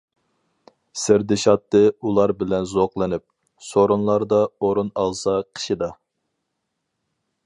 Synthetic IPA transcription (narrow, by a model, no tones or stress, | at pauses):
sɪɾd̪ɪʃɑt̪ːɨulˠɑɾbɪlɛnzoqlˠɨnɪp̚ | soɾunlˠɑɾd̪ɑoɾunɑlˠsɑqʰə̥ʃid̪ɑ